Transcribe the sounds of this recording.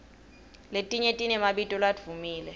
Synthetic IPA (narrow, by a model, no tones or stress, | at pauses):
letʼiɲetʼinɛmaɓitʼɔlwad̥v̥umiːlɛ